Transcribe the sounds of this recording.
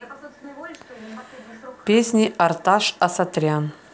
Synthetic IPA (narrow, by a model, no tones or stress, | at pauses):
pʲesʲnʲiʔɐrt̪aʂɐsɐt̪ɾʲan